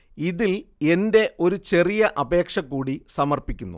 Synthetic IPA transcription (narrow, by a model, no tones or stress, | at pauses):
iðile̞nde̞ʔo̞ɾut͡ɕe̞rijɐʔɐbe̞ːkʂɐkːuːɽisɐmɐrpikʲːunːṵ